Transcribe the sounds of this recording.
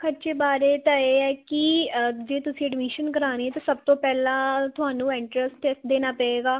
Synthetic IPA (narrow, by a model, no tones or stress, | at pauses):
kʰəɾt͡ʃeːbaːɾeːt̪ãeːɛːkid͡ʒeːt̪ʊsĩːɛɖmiʃənkəɾaːɾeːɛːt̪ãːsəb̚t̪õːpɛːlãːt̪ʊɦaːnũːɪɳʈɾəsʈːeːsʈ̚d̪eːnaːpɛeːɡaː